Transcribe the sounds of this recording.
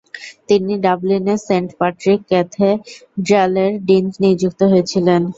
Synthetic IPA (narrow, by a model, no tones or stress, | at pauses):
t̪iniɖablineseɳʈpaʈɾikːɛt̪ʰeɖɛleɾɖind͡ʑniod͡ʑuk̚t̪oɦojet͡ɕʰilen